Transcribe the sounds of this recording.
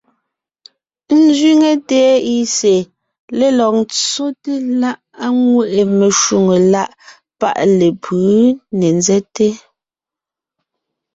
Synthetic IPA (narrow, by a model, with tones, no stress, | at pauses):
n̩˦zɥi˦ŋe˨tɛː˨˦i˦se˨ | le˦lɔ˨q̚nt͡so˦te˦la˦ʔ | a˦ŋwe˦ʔe˨me˨ʃu˨ŋe˨la˦ʔ | pa̰˦ʔle˨pʰɯ˨˦ne˨nzɛ˦te˦